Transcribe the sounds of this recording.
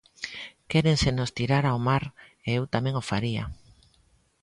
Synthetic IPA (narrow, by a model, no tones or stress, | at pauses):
kɛɾensenost̪iɾaɾaomaɾeewt̪amẽŋofaɾia̰